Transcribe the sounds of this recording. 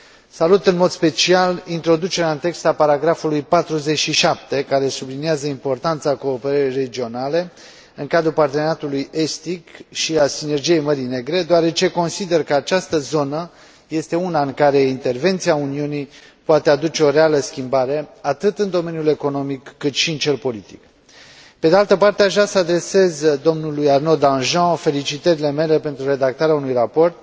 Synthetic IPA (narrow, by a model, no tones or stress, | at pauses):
salut̪ɨnmo̞d̪spe̞t͡ʃialint̪ɾo̞d̪ut͡ʃe̞ɾeaɨnt̪e̞kst̪apaɾaɡɾafulujpat̪ɾuze̞t͡ʃʃiʃap̚t̪e̞kaɾe̞subliniazəimpo̞rt̪ant̪sako̞ːpe̞ɾəɾejre̞d͡ʒio̞nale̞ | ɨŋkad̪ɾupart̪enat̪uluje̞st̪ikʃiasine̞rd͡ʒije̞jməɾine̞ɡɾe̞d̪oaɾe̞t͡ʃe̞ko̞nsid̪e̞rkəat͡ʃast̪əzo̞nə | je̞st̪e̞unaɨŋkaɾe̞int̪e̞rve̞nt̪siauniunij | poat̪e̞ad̪ut͡ʃe̞o̞ɾe̞aləskʲimbaɾe̞at̪ɨt̪ɨnd̪o̞me̞njule̞ko̞no̞mikːɨt̪ʃiɨnt͡ʃe̞lpo̞lit̪i̥k | pe̞d̪ealt̪əpart̪eaʒasəad̪ɾe̞se̞zd̪o̞mnulujarno̞d̪ãnʒɑ̃fe̞lit͡ʃit̪əɾile̞me̞le̞pe̞nt̪ɾure̞d̪ak̚t̪aɾeaunujrapo̞rt̪̚